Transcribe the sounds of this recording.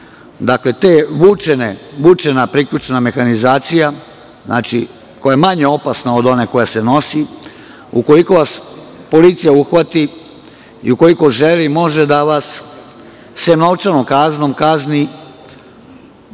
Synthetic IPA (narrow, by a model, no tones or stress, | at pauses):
d̪akle̞t̪e̞ʋut͡ʃeneʋut͡ʃe̞napɾikʎut͡ʃename̞xanizaːt̪sija | zna̰ːt͡ʃḭ | ko̞jaemaɲe̞o̞pasnao̞d̪o̞ne̞ko̞jaseno̞si | uko̞liko̞ʋas | po̞liːt̪sijauxʋat̪i | ḭuko̞liko̞ʒelimo̞ʒed̪aʋas | semnoʋt͡ʃanomkazno̞mkazni